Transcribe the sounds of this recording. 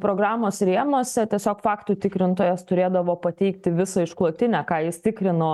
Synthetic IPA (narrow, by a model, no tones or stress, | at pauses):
pɾoːɡɾɑːmoːsɾʲiɛmuɔsʲɛt̪ʲiɛsʲoːkfɑːkt̪uːt̪ʲɪkɾʲɪnt̪oːjɛst̪ʊɾʲeːd̪ɐʋoːpɐt̪ʲɛɪkt̪ʲɪʋʲɪsɐɪʃklˠuːt̪ʲɪnʲæːkɑːjɪst̪ʲɪkɾʲɪnoː